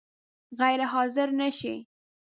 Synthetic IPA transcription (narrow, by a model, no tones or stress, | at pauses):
ɣajɾɪɦɑzɪɾnaʃi